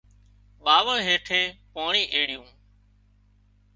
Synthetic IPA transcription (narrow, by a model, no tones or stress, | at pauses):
ɓaːʋəɦeːʈʰeːpoːɳĩːʔeːɽɪjũː